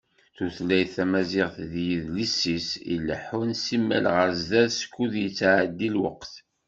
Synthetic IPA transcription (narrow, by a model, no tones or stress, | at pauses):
θuθlæjθæmæzɪʁθðjiðlisːisḭləħunsimːæ̰lʁəɾzðæðsə̥kːuðjət͡sːʕəd̪ːilwəqθ